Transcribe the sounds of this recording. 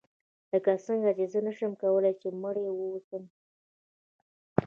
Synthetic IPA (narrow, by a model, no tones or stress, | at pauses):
ləkasəŋɡat͡ʃezənaʃəmkawəlajt͡ʃeməɽewəwusəm